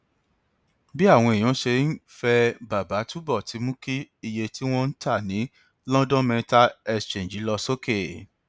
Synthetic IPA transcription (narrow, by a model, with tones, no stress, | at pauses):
bi˦a˦˨w̃ɔ̃˧i˨j̃ɔ̃˨˦ʃe˧˦n̩˦fɛ˧ba˨ba˨˦tu˦bɔ˦˨ti˨˦mũ˦ki˦i˧je˧tʰi˦w̃ɔ̃˧n̩˦ta˦˨nĩ˨˦ | lɔ̃˦dɔ̃˦mɛ̃˧˦ta˦ɛ˧st͡ʃẽ˨d͡ʒi˨˦lɔ˧so˦ke˦˨